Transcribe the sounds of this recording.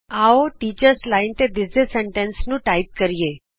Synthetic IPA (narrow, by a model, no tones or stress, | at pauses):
aoʈiːt͡ɕəɾslaint̪ed̪ɪsneseɳʈẽnsnũːʈaip̚kəɾije